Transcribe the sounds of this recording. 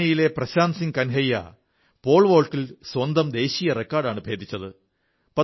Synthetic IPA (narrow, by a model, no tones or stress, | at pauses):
ɐjile̞prɐɕaːnsiŋkɐnɦɐjːɐ̰ | po̞ːɭʋo̞ːɭʈːilswɐnd̪ɐmd̪e̞ːɕiːjɐrekːaːrɖaːɳɨbʱe̞ːd̪ʱit͡ɕːɐðɨ | pɐ